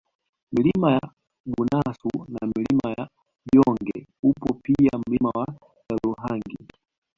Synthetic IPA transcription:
milimaja | ɓunasunamilimaja | bjɔŋɡɛupɔpiam̩limawa | ɛluɦaŋɡi

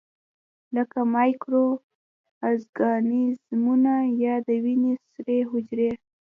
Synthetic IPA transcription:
ləkamɑjkɾo | azɡɑnizmunajɑd̪əwinisɾeɦʊd͡ʒɾe

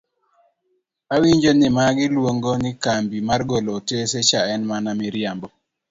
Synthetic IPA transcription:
awiɲd͡ʒonɪmaɡɪlwoŋɡonɪkambimarɡoloteset͡ʃaɛnmanamɪɾjambɔ

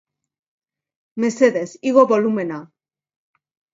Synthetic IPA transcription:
meseðesiɣoβolumena

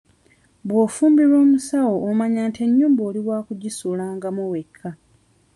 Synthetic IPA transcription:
bwoːfuːmbiɾo̞ːmusawoːmaɲaːnte̞ɲːuːmboːliwaːkuɟisulaːŋɡamuwekʰːa

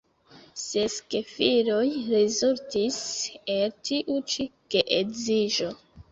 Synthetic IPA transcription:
seskefiɾo̞jɾezultiseltʰiʔut͡ʃiɡ̥eʔeɡziʒo̞

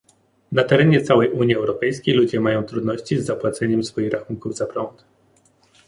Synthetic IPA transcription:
nat̪ɛɾɛɲɛt̪sawɛjʔuɲiɛwɾɔpɛjskʲejlud͡ʑɛmajɔ̃w̃t̪ɾud̪nɔɕt͡ɕizːapwat̪sɛɲɛmsfɔjixɾaxuŋkuvzapɾɔnt̪

